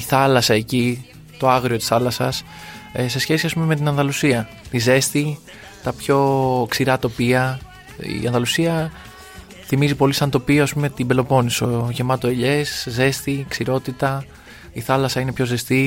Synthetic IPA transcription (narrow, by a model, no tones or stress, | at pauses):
iθɐlɐsɐe̞ci | t̪o̞ɐɣɾio̞t̪i̥sθɐlɐsɐ̰s | se̞sçe̞siɐspumeme̞t̪inɐnðɐlusiɐ | t̪ize̞st̪i | t̪ɐpço̞ksiɾɐt̪o̞piɐ | ḭɐ̰nðɐlusiɐ | θimizipo̞lisɐnt̪o̞pioɐspume̞t̪imbe̞lo̞po̞niso̞ʝe̞mɐt̪o̞e̞ʎe̞sze̞st̪iksiɾo̞t̪it̪ɐ | iθɐlɐsɐinepço̞ze̞st̪i